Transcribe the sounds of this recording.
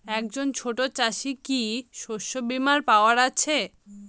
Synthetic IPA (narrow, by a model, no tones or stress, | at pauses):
ɛk̚d͡ʑont͡ɕʰoʈot͡ɕaʃikiʃoʃːobimaɾpaoaɾat͡ɕʰe